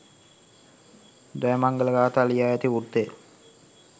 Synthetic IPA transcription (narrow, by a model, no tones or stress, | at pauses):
d̪ajəmaŋɡələɡaːt̪aːlijaːjæt̪iurd̪e